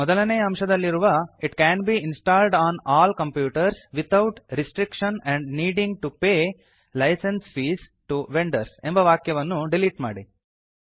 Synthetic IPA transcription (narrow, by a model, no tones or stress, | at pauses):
mɔd̪ɐlɐneːjɐɐmʂɐd̪ɐlːiɾuʋɐiʈkænbiːinsʈaːlɖaːnaːlkɐ̃mpjuːʈɐɾsʋit̪ʰɐwʈɾisʈɾikʂɐnɛ̃ɳɖniːɖĩŋɡ̚ʈupeː | lɐjsẽnsfiːsʈuʋeɳɖɐɾsembɐʋaːkjɐʋɐnːuɖiliːʈma̰ːɽi